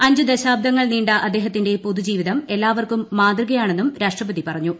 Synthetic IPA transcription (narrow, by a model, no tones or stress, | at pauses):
ɐɲd͡ʑud̪ɐɕaːb̚d̪ʱɐŋːɐɭniːɳɖɐʔɐd̪ːe̞ːɦɐt̪ːinde̞poðud͡ʑiːʋiðɐme̞lːaːʋɐrkumːaːt̪rɨɣɐjaːɳe̞nːumɾaːʂʈrɐbɐðipɐrɐɲːu